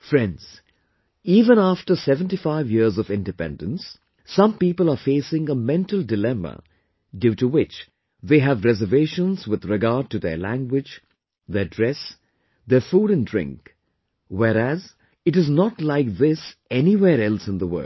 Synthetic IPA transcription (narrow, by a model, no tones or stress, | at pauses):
fɹɛ̃ndz̥ | iːvə̃næfʈəsɛvə̃ntifaɪvjiɾzɔvɪ̃ndɨpɛ̰̃ndə̃nsː | ʌ̃mpiːpəlˠafeɪsɪ̃ŋəmɛ̃ntəl̩ˠdɪlɛmə̰ | djutuwɪt͡ʃ | ðeːɦævɾɛzəveɪʃə̃nzwɪð̥ɹɪɡaːd̚ʈuðə̰læ̰̃ŋɡwɪd͡ʒ | ðədɹɛs | ðəfuːɾɨ̃ndɹɪ̰̃ŋk | wɛɾæz | ɨʈɨznɔtlaɪkðɪsɛniwɛːɾɛlˠsɨ̃nðəwɜ̰˞